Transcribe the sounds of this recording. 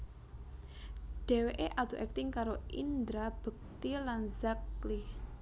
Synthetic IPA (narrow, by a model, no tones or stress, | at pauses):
ɖ̥ɛ̤weʔeʔat̪uʔɛk̚t̪ɪŋkaɾoʔind̪ɾab̥ək̚t̪ilanzakli